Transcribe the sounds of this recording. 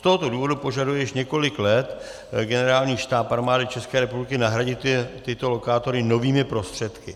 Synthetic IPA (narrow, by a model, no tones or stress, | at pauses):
st̪o̞ɦot̪o̞duːvo̞dupo̞ʒadujɛjɪʃɲɛko̞lɪklɛt̪ | ɡɛnɛɾaːlɲiːʃt̪aːpaɾmaːdɪt͡ʃɛskɛːɾɛpublɪkɪnaɦɾaɟɪt̪ɪt̪o̞lo̞kaːt̪o̞ɾɪno̞viːmɪpɾo̞st̪r̥ɛt̪kɪ